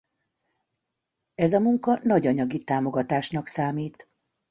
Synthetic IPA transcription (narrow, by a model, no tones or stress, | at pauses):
ɛzɒmuŋkɒnɒɟɒɲɒɡit̪aːmo̞ɡɒt̪aːʃnɒksaːmiːt̪